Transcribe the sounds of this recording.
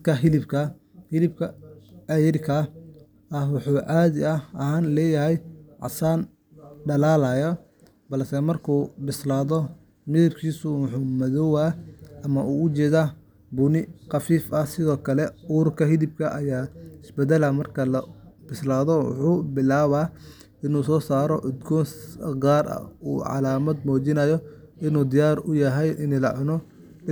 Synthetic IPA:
kʰɐɦɪlɪbkʰɐ | hɪlɪbkʰɐɐjɪrkʰɐ | ɐhwʊħuːʔaːðɪɐɐhaːnlɛːjɐɦɛjʕɑ̰saːn | ɖɐlaːlɐjɔ | bɐlsɛmɐrkʰuːbɪslaːðɔ | mɪðɐb̚kʰiːsʊwʊħuːmɐðɔwaːʔɐmɐʔuːʊt͡ʃɛːða | bʊnɪqɑfiːfɐsɪðɔːkʰɐlɛuːrkʰɐɦɪðɪb̚kʰɐʔɐjaːɪsbɛd̪ɐlɐmɐrkʰɐlɐb̥ɪslaːðɔwʊ̰ħuːbɪlaːβaː | ɪnuːsɔːsaːɾɔ̰ʔʊd̪ɡɔːsɡaːrɐ̰ṵːʕɑ̰laːmɐd̪mɔːt͡ʃɪnɐjɔ | ɪnuːd̪ɪjaːrʊjɐɦɛjʔɪnɛlɐʕʊnɔ | ɪ

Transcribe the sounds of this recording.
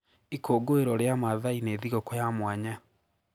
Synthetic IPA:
ikʰoːɡoeɾɔɾeamaðaineːðiɣɔkojamwaɲa

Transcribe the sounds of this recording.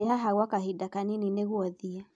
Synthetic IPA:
ɦaɦaɣwakaɦidakaninineɣuaðia

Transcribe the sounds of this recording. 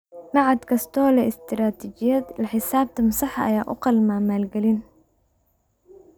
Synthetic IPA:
nɑʕɑd̪kʰɐst̪ʰɔːlɛɪst̪ʰɾaːt̪ʰit͡ʃɪjɐd̪lɐħɪsaːb̚t̪ʰɐmɐsɑħɑɐ̰jaːʔʊqɑlmaːmaːlɡɛlɪn

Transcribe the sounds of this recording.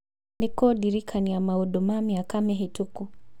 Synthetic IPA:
mikɔɗiɾikʰaniamaɔɗɔmamiakamɛɦɛtuku

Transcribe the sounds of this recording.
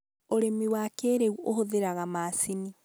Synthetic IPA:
oɾemiwakeɾeuohoðeɾaɣamaːsini

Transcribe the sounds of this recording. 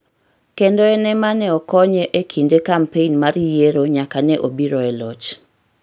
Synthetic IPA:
kendɔɛnɛmanɛɔkɔɲɛʔekʰindekampenmaɾijeɾoɲakanɛʔobiɾɔɛlɔt͡ʃ

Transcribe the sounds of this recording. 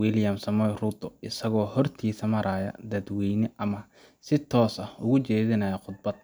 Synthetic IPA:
wiljɐmsɐmɔjrud̪ɔʔɪsɐɣɔːhɔrt̪ʰiːsɐmɐɾaːjɐ̰d̪ɐd̪wɛːnɪʔɐmɐ | sɪt̪ʰɔːsɐʊɣʊt͡ʃɛːðɪnɐjɐqʊd̪̚bɐd̪̚

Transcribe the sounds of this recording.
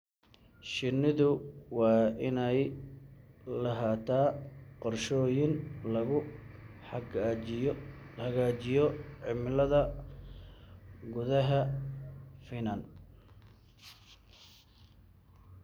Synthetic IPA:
ʃɪnɪðʊwɑːɪnɛj | lɐɦaːt̪ʰaːqɔrʃɔːjɪnlɐɣʊ | hɐɣaːt͡ʃɪjɔʕɪmlɐðɐ | ɡʊðɐɦɐ | fɪnɐn

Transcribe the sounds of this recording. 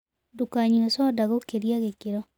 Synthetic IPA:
dukaɲuesɔdaɣokeɾiaɣekeɾɔ

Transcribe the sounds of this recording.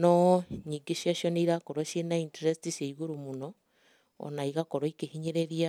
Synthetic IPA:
nɔɲiɡeʃjaʃjɔneiɾakoɾoʃenainteɾestiseiɣuɾumunɔ | ɔ̰naiɣakoɾoikehiɲeɾeɾia

